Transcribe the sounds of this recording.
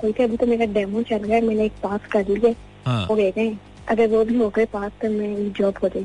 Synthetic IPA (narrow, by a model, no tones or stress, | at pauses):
koːit̪ʰeɐbʱit̪omeːɾaɖɛːmõt͡ʃɐlɡjaɛmɛ̃ːneeːk̚paːskɐɾliɛː | ɦoːɡeːɡɐɛ̃ | ɐɡəɾʋoːbʱiɦoːɡɐepaːst̪omɛ̃eːkd͡ʒɔːbɦoːd͡ʒaː